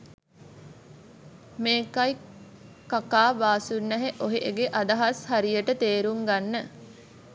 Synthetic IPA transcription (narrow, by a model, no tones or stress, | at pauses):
meːkaj | kakaːbaːsunːæɦeʔoɦeʔeɡeʔad̪aɦashaɾijəʈət̪eːɾuŋɡanːə